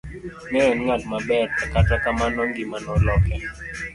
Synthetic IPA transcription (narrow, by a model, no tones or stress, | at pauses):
nɛɛnŋalmabɛɾakatakamanɔŋɡɪmanɔlɔkɛ